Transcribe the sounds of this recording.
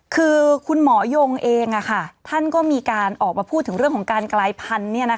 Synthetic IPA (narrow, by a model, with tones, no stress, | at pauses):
kʰɯː˧kʰu˧nmɔː˩˦jo˧ŋʔeː˧ŋʔa˨˩kʰa˥˩t̪ʰa˥˩nkɔː˥˩miː˧kaː˧nʔɔː˨˩k̚maː˧pʰu˥˩t̪ʰːɯ˩˦ŋɾɯ˥˩kʰɔː˩˦kaː˧nklaː˧jpʰa˧nːi˥˩ɐna˦˥